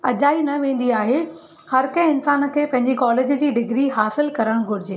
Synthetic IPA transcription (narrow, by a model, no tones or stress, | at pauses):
ɐʄaːinɐʋẽːn̆d̪iaːɦe | hɐɾkɐ̃ɦɪnsaːnə̆kʰeːpɐ̃ɦɪ̃ɲd͡ʑekɔːleːd͡ʑə̆d͡ʑiːɖɪɡɾiɦaːsɪlkɐɾəɽ̃ɡʱʊɽɪd͡ʑeː